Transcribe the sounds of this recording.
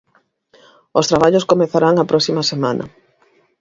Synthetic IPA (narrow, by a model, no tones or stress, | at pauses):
ʊst̪ɾaβ̞aʎʊskomeθaɾaŋɐpɾʔɔksimɐsemanʔɐ̰